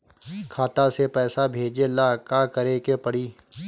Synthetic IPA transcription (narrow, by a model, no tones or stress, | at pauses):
kʰaːt̪asepɛːsabʱeːd͡ʒelaːkakɐɾekepəɽiː